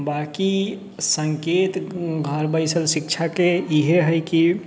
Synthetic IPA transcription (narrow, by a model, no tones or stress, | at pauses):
baki | səŋket̪ɡʱəɾbəɪsəlsik̚t͡ʃʰakeiɦeɦəɪki